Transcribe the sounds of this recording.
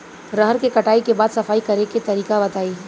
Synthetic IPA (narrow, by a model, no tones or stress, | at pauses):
ɾəɦəɾkekɐʈaːikebaːd̪sɐfaːikɐɾeket̪ɐɾiːkabɐt̪aːi